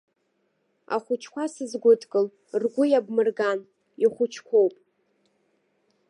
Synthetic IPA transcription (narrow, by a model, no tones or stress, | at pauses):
a̰χʷʊt͡ʃʰkʷʰasɨzɡʷʊtʰʼkʼɨl | rɡʷʊjabmɨrɡan | iχʷʊt͡ʃʰkʷʰowpʼ